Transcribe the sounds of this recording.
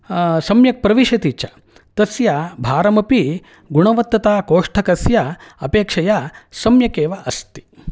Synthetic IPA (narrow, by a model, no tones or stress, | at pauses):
sɐmjɐk̚pɾɐʋiʃɐt̪iːt͡ɕja̰ | t̪ɐsjabʱaːɾɐmɐpi | ɡuɳ̃ɐʋɐt̪ːɐt̪aːkoːʂʈʰɐkɐsjaɐ̰peːkʂɐjasɐmjɐkeːʋaʔɐst̪i̥